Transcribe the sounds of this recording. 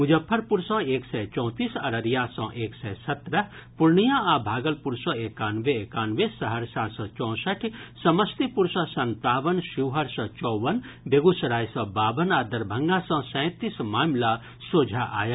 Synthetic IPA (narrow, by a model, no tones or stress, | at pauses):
ud͡ʒɐpʰːɐɾpuɾsɔ̃ːeːksɛt͡ʃɔ̃ːt̪iːsɐɾɐɾjãsɔ̃ʔeːksɛːsɐt̪ɾɐɦ | puɾɳijãabʱaːɡɐlpuɾsɔ̃ekaːnʋeekaːnʋesɐɦəɾsaːɾsɔ̃ːt͡ʃɔ̃ːsɐʈʰsɐmɐst̪ipuɾsɔ̃sɐnt̪aːʋənʃiwɦɐɾsɔ̃t͡ʃɔːʋənbeɡusɾaːjsɔ̃baːʋənaːd̪ɐɾbʱɐŋɡãsɔ̃sɛ̃ːt̪ismaːmla | soːd͡ʒʱaʔa̰ːjɐ